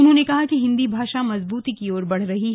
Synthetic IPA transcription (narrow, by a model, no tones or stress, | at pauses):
ʊnɦõnekɐɦakiɦɪ̃nd̪ibʱaːʃamɐzbuːt̪ikiɔːɾbɐɽ̤ɾɐɦiɦ